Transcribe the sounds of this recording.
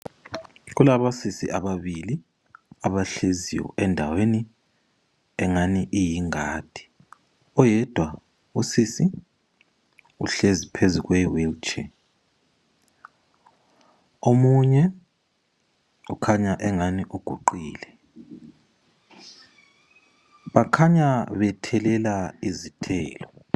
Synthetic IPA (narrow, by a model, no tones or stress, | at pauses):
ɣ̬ulaβasisḭʔaβaβili | aβaɬezḭwɔ̰ʔɛndʱaweni | ɛŋaniʔijiŋaːd̥ʱi̥ | ɔjɛd̥ʱwa | usisi | ṵɬezipʰezuɣwɛwilt͡ʃʰʼɛ | omuɲɛ | ukʰaɲaʔɛŋaniʔuɡ̥ʱuǃiːlɛ | βakʰaɲaβɛtʰɛlɛlaizitʰɛ̰ːlɔ